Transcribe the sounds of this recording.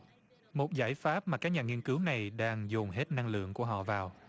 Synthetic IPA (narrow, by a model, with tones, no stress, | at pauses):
mo˨˩t̚zaː˧˩jfaː˦˥p̚maː˨˩kaː˦˥k̚ɲaː˨˩ŋi˧ənkɨ˨˦wna˨˩jɗaː˧ŋzu˨˩ŋ͡mɦe˦˥t̚na˧ŋlɨ̰˧˨əŋku˧˩əɦɔ̰˧˨vaː˨˩w